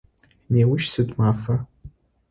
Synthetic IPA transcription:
neːwʊʃsɨdmafɐ

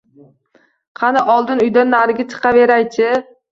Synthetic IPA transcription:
qʰɑnaʔɒlˠd̪ɪnʊjd̪anːaɾɪɡʲat͡ʃʰɨ̥qʰɑve̞ɾajt͡ʃʰɪ

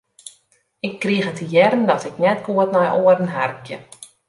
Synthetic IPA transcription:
ɪkːriəxətəjɛrən̩dɔtɪknɛtɡuətnɔjʔoərən̩ɦarkjə̰

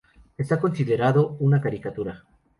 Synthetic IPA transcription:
e̞st̪ako̞nsiðe̞ɾaðounakaɾikat̪uɾa

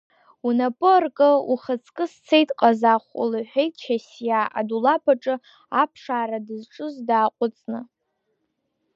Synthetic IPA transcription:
unapʼɨrkʼɨuχət͡sʰʼkʼɨst͡sʰejtʼqʼazaχʷṵlɨħʷᶣejtʼt͡ʃʰasjaʔa̰dulapʰaʈ͡ʂʼɨ | apʰʂaːɾadɨzʈ͡ʂʼɨzdaːqʷʼʊt͡sʼnɨ

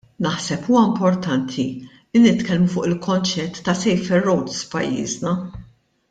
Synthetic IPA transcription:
nɐħsɛpuːwɐɪmpɔɾt̪ɐnt̪ʰi | linɪt̪kɛlmufʊːʔɪlkʰɔnt͡ʃɛt̪ːɐsɛjfɛɾːɔwt̪sfpɐ̰jːḭːznɐ

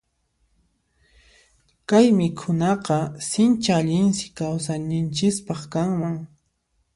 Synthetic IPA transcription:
kajmɪkʰʊnɑqɑsɪnt͡ʃaːʎɪnsɪ̥kawsannɪnt͡ʃɪspɑχkaŋmaŋ

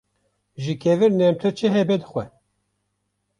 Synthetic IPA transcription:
ʒikʰɛvɨɾnɛmt̪ʰɨɾt͡ʃʰɛɦɛbɛd̪ɨxʷɛ̰

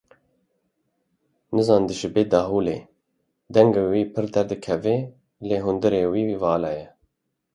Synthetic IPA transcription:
nɨzɑːnd̪ɨʃɨbeːd̪ɑːɦuːlḛː | d̪ɛŋɡewiːpʰɨɾd̪ɛɾd̪ɨkʰɛveː | leːɦʊnd̪ɨɾeːwiːvɑːlɑːjɛ

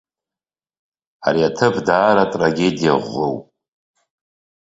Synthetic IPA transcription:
a̰ɾiatʰɨvdaːɾatʼraɡʲe̞dija̰ʁʷːo̰wpʼ

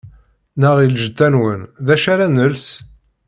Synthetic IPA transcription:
nəʁilʒəd̪ːænwənðæʃaɾænəls

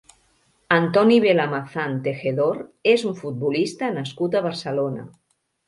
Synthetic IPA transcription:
ant̪ɔniβelamaθant̪exeðoɾezuɱfut̪̚bulist̪ənaskut̪aβ̞əɾsəlona̰

